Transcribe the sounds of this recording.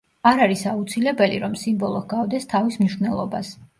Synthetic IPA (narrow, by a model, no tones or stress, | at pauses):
aɾaɾisaut̪sʰilɛbɛlḭɾɔmsimbɔlˠɔhɡavd̪ɛst̪ʰavismniʃvnɛlˠɔba̰s